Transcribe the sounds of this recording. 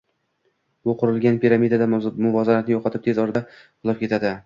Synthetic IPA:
bʊqʰʊɾɪlɡʲanpʰʲiɾamid̪ad̪amʊvɒzaɾat̪nɪjɒqʰɑt̪ʰɪp̚t̪ʰe̞zɒɾɪd̪a | qʰʊlˠɒp̚kʲʰe̞t̪ʰad̪ɪ

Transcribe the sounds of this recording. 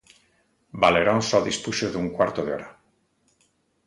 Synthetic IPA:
baleɾonsoðispuʃozðuŋkwaɾt̪oðeoɾa

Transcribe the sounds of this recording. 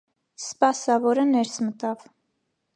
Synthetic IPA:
spɑsɑvɔɾənɛɾsmət̪ɑv

